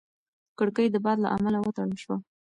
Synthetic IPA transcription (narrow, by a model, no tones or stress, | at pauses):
kəɽkəjd̪əbɑd̪la̰ʔamalawət̪aɽəlʃwa